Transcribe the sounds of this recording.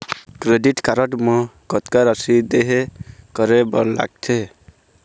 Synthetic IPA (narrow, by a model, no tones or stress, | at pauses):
kɾeɖiʈkaɾɔʈmɔ̃kɔt̪kaɾasid̪eɦekɔɾebɔnla̰ɡ̚t̪ʰe